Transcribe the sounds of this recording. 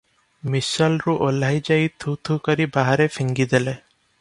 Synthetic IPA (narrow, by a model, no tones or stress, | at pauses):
misɔlɾuʔolajd͡ʒajt̪ʰut̪ʰukɔɾibaɦaɾefʰiŋɡid̪ele